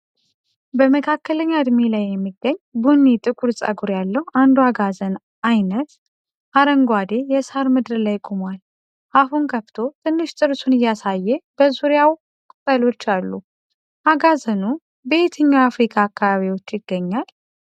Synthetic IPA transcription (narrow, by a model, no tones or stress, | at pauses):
bəməkʰakːələɲːad̪milajːɛmːiɡːəɲːbunːit̪ʼɨkʼuɾsʼa̰ɡuɾjalːəhuʔand̪uaɡazən | ʔajnət̪ | ʔaɾəŋɡwad̪e̞jɛshaɾmɨd̪ɨɾlajkʼomal | ʔahunkʰəft̪ʰo̞t̪ʰɨnːɨʃt̪ʼɨɾsunɨjːasajːɛb̥əzuɾjaw | kʼɨt̪ʼːəlo̞t͡ʃːalːu | ʔaɡazənu | bet̪ʰəɲːaafɾikʰaːkːaβaβiwo̞t͡ʃːjɪɡːəɲːal